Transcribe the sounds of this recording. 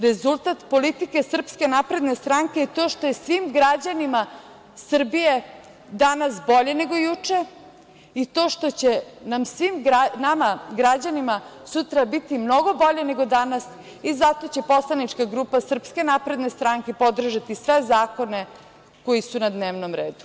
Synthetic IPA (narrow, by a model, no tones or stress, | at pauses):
ɾe̞zulˠt̪at̪po̞lit̪ike̞sr̩pske̞napɾe̞d̪ne̞st̪ɾaŋkeːt̪o̞ːʃt̪o̞jesʋimɡɾad͡ʑanima | sr̩bije | d̪anasbo̞ʎe̞ne̞ɡo̞jut͡ʂe̞ | it̪o̞ːʃt̪o̞t͡ɕenamsʋimɡanamaɡɾad͡ʑanimasut̪ɾabit̪imno̞ɡo̞bo̞ʎene̞ɡo̞d̪anas | izat̪o̞t͡ɕe̞po̞slˠanit͡ʂkaɡɾupasr̩pske̞napɾe̞d̪nest̪ɾaŋkepo̞d̪r̩ʒat̪isʋe̞zaːko̞ne̞ | ko̞jisunad̪neːʋnomɾḛːd̪u̥